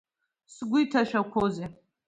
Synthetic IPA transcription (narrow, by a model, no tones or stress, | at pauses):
sɡʷʊitʰaʃᶣakʷʰoze